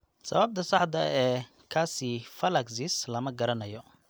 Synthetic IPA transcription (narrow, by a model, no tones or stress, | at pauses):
sɐ̰βɐb̚t̪ʰɐsɑħd̪ɐɛː | kʰaːsifɐlɐksislɐmɐɡɐɾɐnɐjɔ